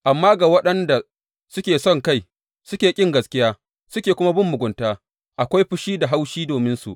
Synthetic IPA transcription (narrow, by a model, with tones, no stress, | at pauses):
ʔa˨mːaː˦ɡa˨wɐ˦ɗɐ˦nda˨ | sʊ˦kʲeː˨sɔ˦˨ŋka˦j | sʊ˦kʲeː˨kʲʼɪ˦˨ŋɡɐ˨skʲɪ˦jaː˦ | sʊ˦kʲeː˨kʷʊ˦ma˦bʊ˦mːʊ˨ɡʷʊ˨ntaː˦ | ʔa˨kʷa˦jɸʊ˦ʃiː˦da˨ɦa˦wʃiː˦doː˨mɪ˦nsṵ˨ʔ